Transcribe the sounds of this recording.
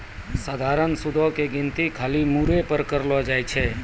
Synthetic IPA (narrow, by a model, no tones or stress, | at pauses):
saːd̪ʱaːɾənsʊd̪ʱokeɡɪnt̪ikʰaːlimuɾepəɾkəɾlad͡ʒaːjt͡ʃʰe